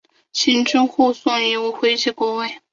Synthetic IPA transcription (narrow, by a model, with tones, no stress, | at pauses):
ɕi˥nʈ͡ʂʊ˥ŋxu˥˧swɑ˥˩ŋi˧˩wu˥˩xwe˥ɪt͡ɕi˥˩kwɔ˥wa˥˩ɪ